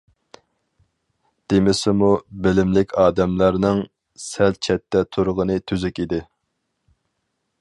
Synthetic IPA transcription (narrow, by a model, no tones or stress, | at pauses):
d̪̥emɪsɪmubɪlɪmlɪkʲʰɑːd̪ɛmlæɾnɪŋ | sɛl̚t͡ʃʰɛt̪ʰːɛt̪ʰuɾʁənɨt̪ʰyzykʲid̪ɪ